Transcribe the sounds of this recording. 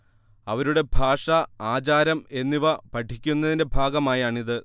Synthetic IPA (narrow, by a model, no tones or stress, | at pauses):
ɐʋɐɾuɽe̞bʱaːʂɐaːt͡ɕaːɾɐme̞nːiʋɐpɐʈʰːikʲːunːɐðinde̞bʱaːɡɐmaːjaːɳiðɨ